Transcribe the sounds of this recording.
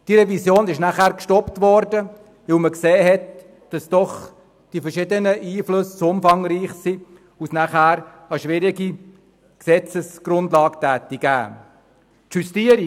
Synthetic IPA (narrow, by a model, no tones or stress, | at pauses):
d̥iɾɛvisjoːnɪʃnæχhæːɾkʃtɔptvɔɾdə | ʋɪlməkseːɦɛt | d̥ɑsd̥ɔχ | d̥ifɛɾʃɪdənəʔiːflɵssʊmfɑŋɾiːχsi | usnæχhæːɾ | ɑʃʋɪɾiɡi | ksɛt͡səsɡ̥ɾʊndlɑːktæːtiɡæ̰ː | tjustiəɾi